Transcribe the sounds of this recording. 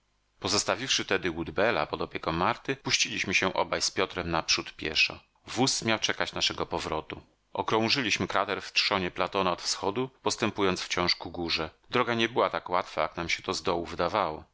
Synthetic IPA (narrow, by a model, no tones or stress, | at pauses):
pɔzɔst̪avʲifʂɘt̪ɛd̪ɘwud̪bɛla̰pɔd̪ɔpʲjɛkɔmːaɾt̪ɘpuɕt͡ɕilʲiɕmɘɕɛʔɔ̰bajspʲjɔt̪ɾɛmnapʂut̪pʲjɛ̰ʂɔ̰ | vusmʲjawt͡ʂɛkat͡ɕnaʂɛɡɔpɔvɾɔt̪u | ʔɔkɾɔ̃w̃ʐɘlʲiɕmɘkɾat̪ɛɾftʂɔɲɛplat̪ɔnaɔt̪fsxɔd̪upɔst̪ɛmpujɔnt̪sft͡ɕɔ̃w̃ʂkuɡuʐɛd̪ɾɔɡaɲɛbɘwat̪akwat̪fajaknamɕɛt̪ɔzd̪ɔwuvɘd̪avawɔ